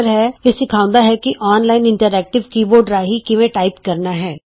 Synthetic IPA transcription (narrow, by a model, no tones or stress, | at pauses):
ɾɦɛjesɪkʰãːʊ̃nd̪aɦɛkiʔɔːnlaːɪnɪ̃ɳʈəɾɛːk̚ʈɪʋkiːboːɾɖɾaːɦikiʋẽʈaːɪpkɐɾnaɦɛː